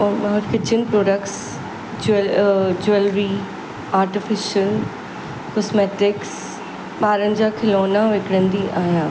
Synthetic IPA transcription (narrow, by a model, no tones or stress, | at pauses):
ɔmɐɦɾkɪt͡ɕʰənpɾoːɖəkʈs | d͡ʑ | d͡ʑuelɾi | aːɾʈɪfɪʃəl | kɔsmɛːʈɪks | ɓaːɾənɪ̆d͡ʑaːkʰɪloːnaʋekɪɽə̃nd̪iʔaːɦjaː